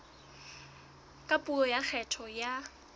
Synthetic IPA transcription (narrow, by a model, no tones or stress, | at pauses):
kʼapʼuɔjak͡xʰɛtʰɔja